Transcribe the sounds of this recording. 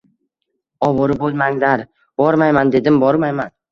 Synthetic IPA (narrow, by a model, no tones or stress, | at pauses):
ɒwɒɾɪbolˠmaŋd̪aɾ | b̥ɒɾmajmand̪e̞d̪ɪmbɒɾmajman